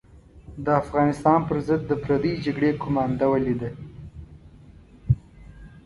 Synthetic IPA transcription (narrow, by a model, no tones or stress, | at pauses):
d̪əafɣɑnɪst̪ɑnpəɾzəd̪ːəpɾad̪əd͡ʒaɡɽekʰʊmɑnd̪awəled̪e